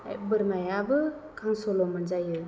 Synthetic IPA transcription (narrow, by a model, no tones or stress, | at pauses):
a̰jbɯɾmajabɯ | kʰaŋsɔlɔmanzajɯ